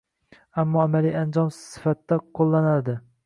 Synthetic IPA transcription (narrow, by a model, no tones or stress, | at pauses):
amːɒamalijand͡ʒɒmsɪ̥fat̪ːaqʰolˠːanald̪ɪ